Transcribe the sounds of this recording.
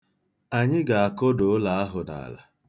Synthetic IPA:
a˨ɲɪ˦ɡa˨a˨ko˦do˨˦la˨a˦ɦʊ˨na̰˨la̰˨

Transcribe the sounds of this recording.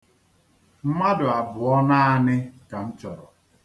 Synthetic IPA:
m̩˦ma˦dʊ˨a˨bʊ˨ɔ˦na˦a˦nɪ˦ka˨n̩˦t͡ʃɔ˨ɾɔ˨

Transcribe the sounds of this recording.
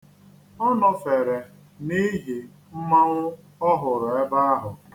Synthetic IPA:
ɔ˦nɔ˨fe˨ɾe˨ | ni˦ɦi˨ | m̩˦ma˦ŋʷʊ˦ | ɔ˦ɦʊ˨ɾʊ˨e˦ba˦a˦ɦʊ˨

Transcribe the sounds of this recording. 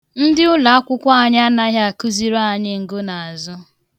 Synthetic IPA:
n̩˦dɪ˦ʊ˦la˨a˦kʷʊ˦kʷa˦a˨ɲ˦a˦na˦ɦa˦a˨ku˦zi˨ɾa˦a˨ɲɪ˦ŋ̩˨ɡʊ˦na˨a˨zʊ˦

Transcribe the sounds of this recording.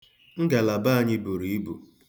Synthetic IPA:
ŋ̩˦ɡa˨la˨ba˦a˨ɲɪ˦bu˨ɾi˨i˦bu˨

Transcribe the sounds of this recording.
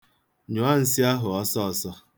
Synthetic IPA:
ɲʊ˨a˦n̩˨sɪ˦a˦ɦʊ˨ɔ˦sɔ˦ɔ˨sɔ˦

